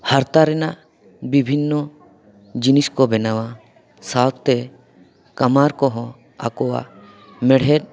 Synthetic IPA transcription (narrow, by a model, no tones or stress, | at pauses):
haɾt̪aɾɛnaʔ | bibʱinːɔ | d͡ʒiniskɔbɛnawa | sat̪ʰt̪ɛ | kamaɾkɔɦɔ̃ | a̰kɔwa̰ʔ | mɛɽ̤ɛt̚